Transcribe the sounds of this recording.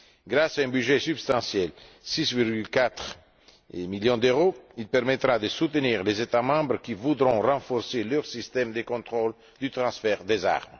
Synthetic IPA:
ɡɾasaɛ̃byʒɛsybst̪ɑ̃sjɛl | sisviɾɡylkat̪ʁ | miljɔ̃d̪øʁoilpɛɾmet̪ʁad̪əsut̪əniʁlezet̪amɑ̃bɾəkivud̪ʁɔ̃rɑ̃fɔɾseløʁsist̪ɛmd̪əkɔ̃t̪ʁol | d̪yt̪ʁɑ̃sfɛʁd̪eza̰ʁm

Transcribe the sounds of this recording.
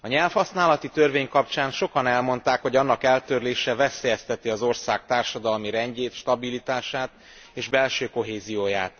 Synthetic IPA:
ɒɲɛlfhɒsnaːlɒt̪it̪ørveːɲkɒpt͡ʃaːnʃo̞kɒnɛlmo̞nt̪aːkho̞ɟɒnːɒkɛlt̪ørleːʃɛvɛseːjɛst̪ɛt̪iɒzo̞rsaːk̚t̪aːrʃɒd̪ɒlmiɾɛɲɟeːt̪ʃt̪ɒbilit̪aːʃaːt̪ | eːʒbɛlʃøːko̞ɦeːzijoːjaːt̪

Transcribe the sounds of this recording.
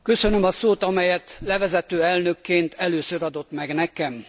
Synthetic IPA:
kø̞sønømɒsoːt̪ɒmɛjɛt̪lɛvɛzɛt̪øːɛlnøkːeːnt̪ʰɛløːsøɾɒd̪o̞t̪mɛɡnɛkɛm

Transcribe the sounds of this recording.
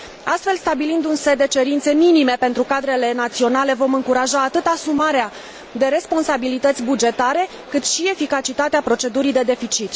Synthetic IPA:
ast̪fe̞lst̪abilind̪unse̞d̪e̞t͡ʃe̞ɾint̪se̞minime̞pe̞nt̪ɾukad̪ɾe̞le̞nat̪sio̞nale̞vo̞mɨŋkuɾaʒaːt̪ɨt̪asumaɾea | d̪e̞ɾe̞spo̞nsabilit̪ət̪sʲbud͡ʒe̞t̪aɾe̞ | kɨt̪ʃie̞fikat͡ʃit̪at̪eapɾo̞t͡ʃe̞d̪uɾid̪e̞d̪e̞fit͡ʃit̪

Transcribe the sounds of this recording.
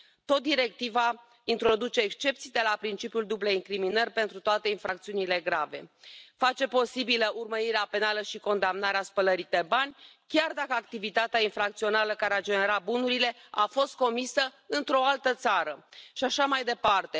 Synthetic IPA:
t̪o̞t̪̚d̪iɾe̞k̚t̪iva | int̪ɾo̞d̪ut͡ʃe̞ːkst͡ʃe̞p̚t̪sijd̪e̞lapɾint͡ʃipjuld̪ubleiŋkɾiminərʲpe̞nt̪ɾut̪oat̪e̞infɾakt̪siunile̞ɡɾave̞̰fat͡ʃe̞po̞sibiləʔurməɾiɾeape̞naləʃiko̞nd̪amnaɾeaspələɾit̪ebanʲ | kʲard̪akəak̚t̪ivit̪at̪eainfɾak̚t̪sio̞naləkaɾead͡ʒe̞ne̞ɾabunuɾile̞afo̞st̪̚ko̞misə | ɨnt̪ɾo̞alt̪ət̪saɾəʃiaʃamajd̪e̞part̪e̞

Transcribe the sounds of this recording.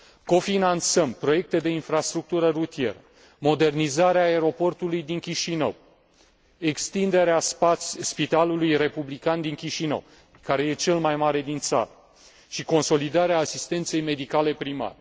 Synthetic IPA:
ko̞finant̪səmpɾo̞je̞k̚t̪e̞d̪e̞infɾast̪ɾuk̚t̪uɾərut̪ije̞̰ɾə | mod̪e̞rnizaɾeaːe̞ɾo̞po̞rt̪ulujd̪iŋkʲiʃinə̰w | e̞kst̪ind̪e̞ɾeasspit̪alulujre̞publikand̪iŋkʲiʃinə̰w | kaɾe̞je̞t͡ʃe̞lmajmaɾe̞d̪int̪sa̰ɾə | ʃiko̞nso̞lid̪aɾeaːsist̪e̞nt̪se̞jme̞d̪ikale̞pɾima̰ɾe

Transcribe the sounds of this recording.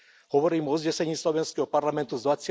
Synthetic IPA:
hɔʋɔɾiːmɔzɲɛsɛɲiːslɔʋɛnskɛɦɔparlamɛnt̪uzd̪vasj

